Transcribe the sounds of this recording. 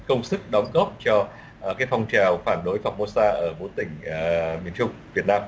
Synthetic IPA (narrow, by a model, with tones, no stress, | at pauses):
kə˧wŋ͡msɨ˦˥k̚ɗɔ˨˦wŋ͡mɣɔ˦˥p̚t͡ɕɔ˧˩ | kaː˨˦jfɔ˧wŋ͡mt͡ɕa˨˩wfaː˧˩nɗo˨˦jfaː˨˩w̚mo˧saː˧ʔəː˧˩vo˨˦t̪ï˧˩ŋ̟mi˨˩ənt͡ɕʊ˧wŋ͡mvi˨˩ət̚naː˧m